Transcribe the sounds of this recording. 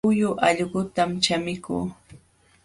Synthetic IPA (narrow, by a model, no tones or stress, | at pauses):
ʊjʊʔɑʎɢʊt̪amt͡ʃamɪkṵː